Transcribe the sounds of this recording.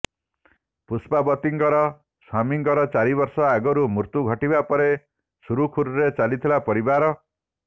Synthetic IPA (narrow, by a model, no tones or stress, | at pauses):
puspabɔt̪iŋkɔɾɔ | swamiŋkɔɾɔt͡ʃaɾibɔɾsɔaɡɔɾumuɾt̪uɡʱɔʈibapɔɾe | suɾukʰuɾuɾet͡ʃalit̪ʰilapɔɾibaɾɔ